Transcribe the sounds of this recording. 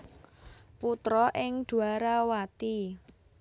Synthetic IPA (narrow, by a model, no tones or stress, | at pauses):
put̪ɾɔʔɪŋd̪̥ṳaɾawat̪i